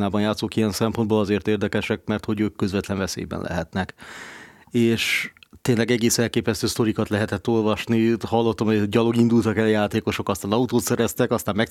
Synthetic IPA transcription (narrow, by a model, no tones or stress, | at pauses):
naːbɒnjaːt̪soːkijɛnsɛmpond̪boːlɒzeːrt̪eːrd̪ɛkɛʃɛk̚mɛrt̪ho̞ɟøːkːøzvɛt̪lɛnvɛsḛːjbɛ̰nlʔɛ̰ɦɛt̪nɛk | eːʃt̪eːnlɛɡɛɡeːsɛlkeːpɛst̪øːst̪o̞ɾikɒt̪lɛɦɛt̪ɛt̪ːo̞lvɒʃnihɒlːot̪ːɒmhoɟɒlo̞ɡind̪ult̪ɒkɛljaːt̪eːko̞ʃo̞kɒst̪aːnɒut̪oːt̪sɛɾɛst̪ɛkɒst̪aːmɛ